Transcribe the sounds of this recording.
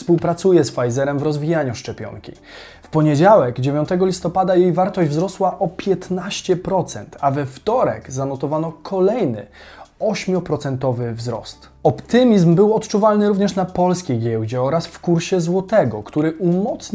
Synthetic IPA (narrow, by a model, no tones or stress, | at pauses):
fspuwpɾat̪sujɛsfajzɛɾɛmvɾɔzvʲijaɲuʂt͡ʂɛpʲjɔ̰ŋkʲḭ | fpɔɲed͡ʑawɛɡd͡ʑevʲjɔ̃nt̪ɛɡɔlʲist̪ɔpad̪ajejvaɾt̪ɔʑd͡ʑvzɾɔswaʔɔpʲjɛt̪naɕt͡ɕɛpɾɔt̪sɛ̰nt̪avɛft̪ɔɾɛ̰ɡzanɔt̪ɔvanɔkʰɔlɛjnɘ̰ | ɔɕmʲjɔpɾɔt̪sɛnt̪ɔvɘvzɾɔ̰st̪ | ɔpt̪ɘmʲizmbɘwɔt̪t͡ʂuvalnɘɾuvɲɛʂnapɔlskʲejɡʲjɛwd͡ʑɛɔɾasfkuɾɕɛzwɔt̪ɛɡɔkt̪uɾɘʔumɔt̪s